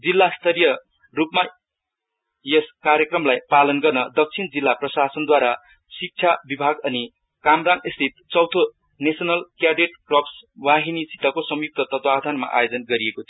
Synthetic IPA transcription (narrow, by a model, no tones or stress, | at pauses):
d͡zilːast̪ʰʌɾijʌ | rupma | jeskaɾjʌkrʌmlajpalʌnɡʌrnʌd̪ʌk̚t͡sʰind͡zilːaprʌsasʌnd̪waɾa | sik̚t͡sʰjabibʱaɡʌni | kamraŋɡist̪ʰit̪t͡sʌwt̪ʰo | nesʌnʌlkjaɖeʈkrʌpswaɦinisit̪ʌkosʌmjuk̚t̪ʰʌt̪ʌt̪wad̪ʱanma̰ʔa̰jod͡zʌnɡʌɾiekot̪ʰio